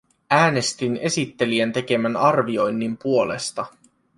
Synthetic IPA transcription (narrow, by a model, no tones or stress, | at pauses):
æːne̞st̪ine̞sit̪ːe̞liænt̪e̞ke̞mænɑrʋio̞jnːimpuo̞le̞̰st̪ɑ